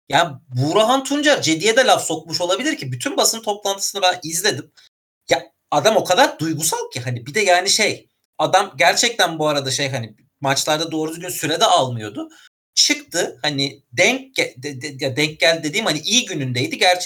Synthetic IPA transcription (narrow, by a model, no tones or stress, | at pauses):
jaːnibuɾaɦant̪ʰund͡ʒaɾd͡ʒe̞d̪ijɛd̪ɛlʲafso̞kmuʃolˠabilʲiɾcʰibyt̪ʰynbasɯnt̪ʰo̞plˠant̪ʰɯ̥sɯnɯbænizlʲe̞d̪im | ja | ad̪amo̞kʰad̪aɾd̪ujɡusalˠcʰiɦanibid̪ɛjaːniʃej | ad̪amɟæɾt͡ʃʰɛc̚t̪ʰænbuaɾad̪aʃe̞jɦani | mat͡ʃlˠaɾd̪ad̪o̞ːɾud̪uɡʲynsyɾɛd̪ɛʔalˠmɯjo̞d̪ʊ | t͡ʃʰɯkt̪ʰɯhanid̪ɛɲc̚ɛd̪ɛjad̪ɛɲc̚ɟælʲd̪e̞d̪iːmhaniʔiːɟynynd̪ejd̪iɟæɾt͡ʃ